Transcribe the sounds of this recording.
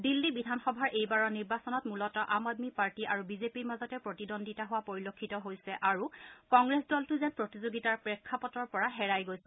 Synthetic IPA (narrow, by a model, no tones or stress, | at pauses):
dilːibidʱanxɔbʱaɹʔejbaɹɔniɹbasɔnɔtmulɔtɔʔamadmipaɹtiʔaɹubizepiɹmazɔtɛpɹotidondʱitaɦʊwapoɹilokʰːitɔɦojsɛʔaɹukɔŋɡɹesdɔltʊzɛnpɹotizoɡitaɹpɹɛkʰːapɔtɔɹpɔɹaɦɛɹajɡojsɛ